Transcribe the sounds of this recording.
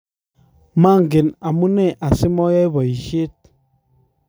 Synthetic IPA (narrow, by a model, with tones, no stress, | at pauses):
ma˦˨ŋɡɪ˨na˨mu˦nɛ˦˨ʔa˨sɪ˦mɔ˦jɛ˦jbɔ˨i˨ʃe˦t̚